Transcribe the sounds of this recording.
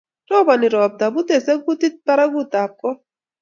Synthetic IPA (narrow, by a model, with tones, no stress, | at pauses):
tɔ˦ba˨ni˨ɾɔ˨b̚d̪a˨bu˦t̪ɛ˨sɛ˦ku˦t̪i˦t̪̚pa˦ɾa˦ɡu˦t̪a˨p̚kʼɔ˦